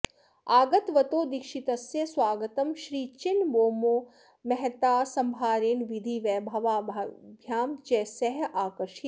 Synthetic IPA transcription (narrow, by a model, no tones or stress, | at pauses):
aːɡɐt̪ʋɐt̪oːd̪ikʃit̪ɐsjɐsʋaːɡət̪ɐmʃɾiːt͡ʃɪnboːmoː | mɛɦɛt̪aːsɐmbʱaːɾeːnʋid̪ʱiʋɛːbʱɐʋaːbʱjaːmt͡ʃɛːsɛɦʔaːkəɾʃi